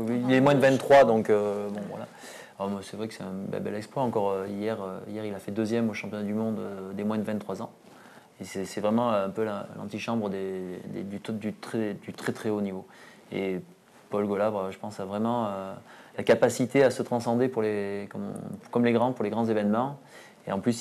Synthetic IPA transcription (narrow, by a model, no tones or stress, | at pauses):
wiwiilɛmwɛ̃d̪əvɛ̃nt̪ːχwad̪ɔ̃købɔ̃vwa̰la̰ | ɔmwasɛvʁɛkə̥sɛt̪ɛ̃bɛ̰lbɛ̰lɛkspaɑ̃kɔʁøijɛʁøijɛʁilafɛd̪øzjɛmoʃɑ̃pjɔ̃nad̪ymɔ̃d̪ød̪emwɛ̃d̪əvɛ̃t̪ːχwazɑ̃ | esɛsɛvʁɛmɑ̃ɛ̃pøllɑ̰̃t̪iʃɑ̃bʁəd̪ed̪ḛd̪yd̪yt̪χɛd̪yt̪χɛt̪χɛonivo | ḛ | pɔlɡɔlavaʒəpɑ̃savʁɛmɑ̃ø | lakapasit̪easət̪χɑ̃sɑ̃d̪epuʁlekɔm̰kɔmleɡʁɑ̃puʁleɡʁɑ̃zevɛnmɑ̃ | ḛɑ̃plys